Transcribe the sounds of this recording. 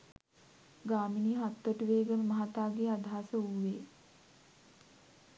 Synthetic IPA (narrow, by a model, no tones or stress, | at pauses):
ɡaːminiːɦat̪ːəʈuʋeːɡənməɦat̪aːɡeːad̪ʱaasəuʋeː